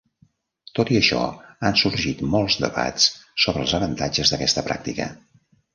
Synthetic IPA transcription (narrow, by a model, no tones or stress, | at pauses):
t̪ot̪iəʃɔ̰ansuɾʒit̪molˠzd̪ə̰βa̰t͡ssoβɾəlˠzəβənt̪ad͡ʒəzðəkɛst̪əpɾa̰k̚t̪ikə̰